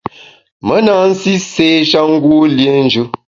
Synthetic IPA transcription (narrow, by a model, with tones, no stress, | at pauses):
mə˨˦na˨˦n̩˦si˦se˦ʃa˦ŋ̩˦ɡwu˦lje˦n̩˦d͡ʒʉ˦